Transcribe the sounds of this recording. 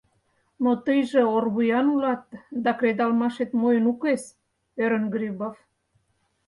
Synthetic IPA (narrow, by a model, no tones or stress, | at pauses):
mot̪əjʒĕorβujɑnulɑt̪̚d̪ɑkɾed̪ɑlmɑʃet̪mojənukes | øɾənɡɾiβof